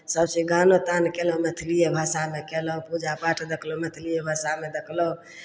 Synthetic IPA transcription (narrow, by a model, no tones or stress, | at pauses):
səbseɡʱanot̪ankeləɦmɛt̪ʰlijebʱasamekeləɦpud͡ʒapaʈd̪ekʰlɔmɛt̪ʰilijebʱasamed̪ekʰləu